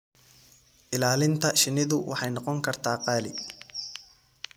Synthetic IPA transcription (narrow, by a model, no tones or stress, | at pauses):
ʔɪlaːlɪnt̪ʰɐʃɪnɪðʊwʔɑ̰ħɑjnɔqɔŋkʰɐrt̪ʰaːqɑːlɪ̰